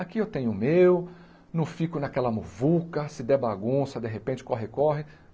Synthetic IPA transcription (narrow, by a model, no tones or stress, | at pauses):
akiewt̪ẽɲ̃ʊmew | nɐ̃w̃fikʊnɐkɛlɐmuvukɐsɪd̪ɛbaɡũsɐd̪eɦepẽnt͡ʃɪ̥kɔɦɪkɔɦɪ